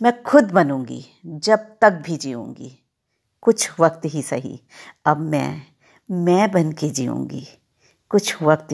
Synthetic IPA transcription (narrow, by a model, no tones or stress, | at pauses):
mɛ̃kʰʊd̪bɐnũːŋɡḭː | d͡ʒɐb̚t̪ɐk̚bʱid͡ʒiːṵ̃ːŋɡḭː | kʊt͡ʃʰʋɐk̚t̪ɦisɐɦḭ | ɐbmɛ̰̃ː | mɛ̃bɐnked͡ʒiːṵ̃ːɡḭː | kʊt͡ʃʰʋɐkt̪